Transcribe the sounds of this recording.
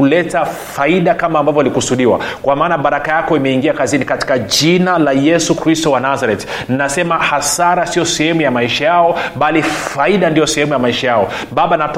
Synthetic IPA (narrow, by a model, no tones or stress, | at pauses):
ulɛtafaiɗakamaːmbavjɔalikusuɗiwa̰kwamaːnaɓaɾakajakɔimɛiŋɡiakazinikati̥kaʄinalajɛsukɾistɔwanazaɾɛt | ninasɛmahasaɾasiɔsɛhɛmujamaiʃajaɔɓalifaiɗandijɔsɛhɛmujamaiʃajaɔ | ɓaɓanat